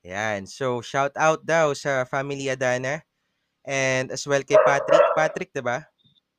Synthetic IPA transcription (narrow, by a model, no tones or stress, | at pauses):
jansowʃawt̪awt̪̚d̪awsɐfamiliɐd̪aːnɐ | ʔɛnd̪ɐswɛlkɐjpat̪ɾɪk̚pat̪ɾɪk̚d̪ɪba